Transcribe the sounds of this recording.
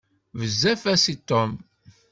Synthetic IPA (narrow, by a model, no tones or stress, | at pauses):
vəzːæfæsit̪ːom